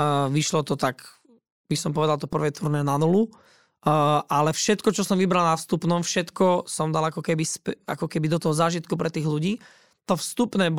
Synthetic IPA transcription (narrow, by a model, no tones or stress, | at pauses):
ʋiʃlɔt̪ɔt̪ak | b̥isɔmp̬ɔʋɛd̪alˠt̪ɔpr̩ʋɛːt̪ʰuɾnɛːnanulu | ʔalɛfʃɛt̪kɔt͡ʃɔsɔmʋibɾalnafst̪upnɔmfʃɛt̪kɔsɔmd̪alakɔkɛbispɛa̰kɔkɛbid̪ɔt̪ɔɦɔzaːʒit̪kupɾɛt̪iːɣluɟiː | t̪ɔfst̪upnɛːb